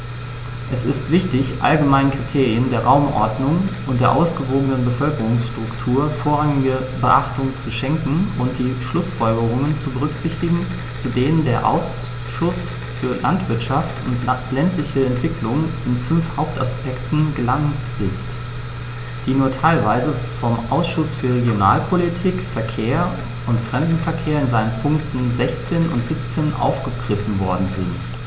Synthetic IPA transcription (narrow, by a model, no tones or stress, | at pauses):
ʔɛsɪstv̥ɪçtɪçʔa̰lɡəmaɪnəkʁ̥itʰeːʁiəndeːɐʁaʊmʔɔ̰ɐdnʊŋʔʊntd̥eːɐʔaʊsɡ̥əvoːɡənənbəfœlkəʁʊŋsʃtʁ̥ʊktʰuːɐfoːɐʁaŋɪɡəbəʔaχtʊŋt͡suʃɛŋkŋ̩ʊnt̚d̥iːʃlʊsfɔlɡəʁʊŋənt͡subəʁʏkz̥ɪçtɪɡŋ̩ | t͡sudeːnəndeːɐʔa̰ʊs | ʃʊs | fyːɐlʔantv̥ɪɐtʃaftʊ̰ntlɛntlɪçəɛntv̥ɪkʰlʊŋɪnfʏnfhaʊp̚ta̰spɛktn̩ɡəlaŋtʔɪst | d̥iːnuːɐtʰaɪlvaɪzəfɔmʔa̰ʊsʃʊsfyːɐʁ̞eɡjona̰ːlpʰolitʰiːkfɛɐkʰeːɐ | ʔʊntfʁ̥ɛmdn̩fɛɐkʰeːɐɪnzaɪnənpʰʊŋktn̩zɛçt͡seːnʔʊ̰ntz̥ip̚t͡seːnʔa̰ʊfɡ̥əɡʁɪfn̩vɔɐdn̩zɪnt